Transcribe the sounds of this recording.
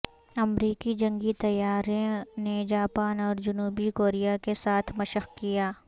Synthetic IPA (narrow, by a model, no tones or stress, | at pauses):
ɐmɾiːkid͡ʒɐ̃ŋɡit̪ɐjaːɾẽned͡ʒaːpaːnɔːɾd͡ʒʊnuːbikoːɾijakesaːt̪ʰmɐʃəxkijaː